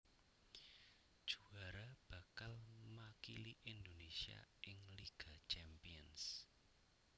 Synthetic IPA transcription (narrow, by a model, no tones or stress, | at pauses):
d̥ʒ̥ṳaɾab̥ä̤kalmakiliʔind̪onesia̰ʔɪŋliɡ̥a̤t͡ʃɛmpiəns